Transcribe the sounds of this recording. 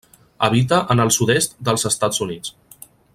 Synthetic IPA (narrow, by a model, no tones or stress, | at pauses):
əβit̪̬əʔənəlˠsuðest̪d̪əlˠzəst̪ad͡zunit͡s